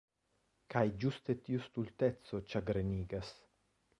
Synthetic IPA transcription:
kajd͡ʒust̪et̪iust̪ult̪ɛt̪sot͡ʃaɡɾeniːɡas

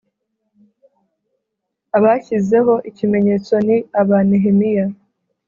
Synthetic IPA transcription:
aβaçize̞ɦo̞ʔicime̞ɲe̞ːt͡so̞niaβaneɦemija

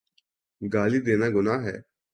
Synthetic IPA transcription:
ɡaːliːd̪eːnaːɡʊnaːɦɛ̰ː

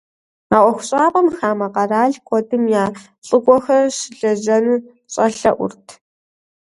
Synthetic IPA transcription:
aːʔʷɔxʷʊɕʼaːpʼɐmxaːmɐqɐraːɮkʷʼɔdɨmjaː | ɬʼɨɡʷʼɔxɐrɕɪɮɐʑɐnɨ | ɕʼɐɬɐ̰ʔʷʊ̰rtʰ

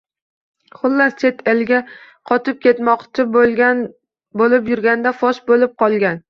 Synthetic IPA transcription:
χʊlˠːaɾt͡ʃʰe̞t̪ʰelɡʲa | qʰɒt̪ʰɪp̚kʲʰe̞t̪mɒqt͡ʃʰɪ | bolɪpjʊɾɡʲand̪afɒʃbolɪp̚qʰɒlˠɡʲan

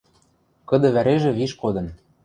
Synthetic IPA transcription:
kɤ̆d̪ɤ̆βæɾeʒĕβiʃkod̪ɤ̆n

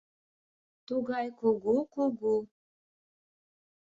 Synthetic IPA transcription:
t̪uɣɑjkuɡukuɡu

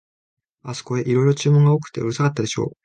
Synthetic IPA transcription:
asɨ̥ko̞e̞ʔiɾo̞iɾo̞t͡ɕɨːmõŋɡaokɯ̟̥t̪ːe̞ɯ̟ɾɯ̟sakat̪ːad̪e̞ɕo̞̰ː

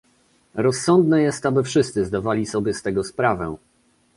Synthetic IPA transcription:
ɾɔsːɔnd̪nɛjɛst̪abɘfʂɘst̪sɘzd̪avalʲisɔbʲjɛst̪ɛɡɔspɾavɛ̰

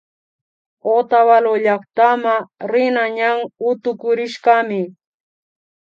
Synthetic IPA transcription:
ot̪awaloʎɑχt̪amaɾɪnaɲaŋʊt̪ʊkʊɾɪʃɢɑmɪ

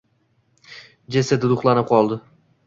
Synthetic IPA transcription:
d͡ʒesɪd̪d̪ʊχlˠanɪp̚qʰɒlˠd̪ɪ

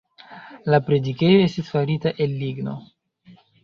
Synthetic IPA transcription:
lapɾe̞dike̞joe̞stisfaɾitaʔe̞lːiɡno̞̰

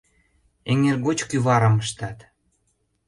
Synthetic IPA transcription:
eŋerɣot͡ɕkyβɑɾə̆məʃt̪ɑt̪

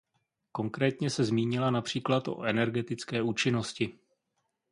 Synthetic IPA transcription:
ko̞ŋkɾɛːt̪ɲɛsɛzmiːɲɪlanapr̝̥iːklat̪ʔo̞̰ʔɛnɛɾɡɛt̪ɪt͡skɛːuːt͡ʃɪno̞scɪ

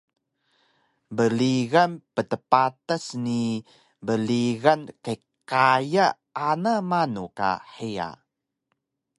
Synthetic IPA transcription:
bəliɣanpətəpatəsni | bəliɣankə | kajaː | namanuka̰ħia̰

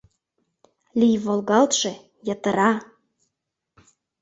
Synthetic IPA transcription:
lʲijvolˠɣɑlt̪ʒĕ | jɑt̪ə̆ɾɑ

